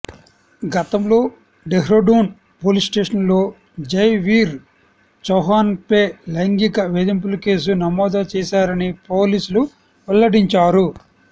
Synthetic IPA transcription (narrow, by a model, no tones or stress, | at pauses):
ɡɐt̪ɐmlo̞ː | ɖeɦɾoɖuːn | poːlisʈeːʂɐnlo̞ː | d͡ʒɐjʋiːɾ | t͡ʃoɦaːnpeːlɐŋɡikɐʋeːd̪impulukeːs̬unɐmɔːd̪ɐt͡ʃɛːsaːɾɐnipo̞ːliːsulu | ʋɛlːɐɽiɲt͡ʃaːɾu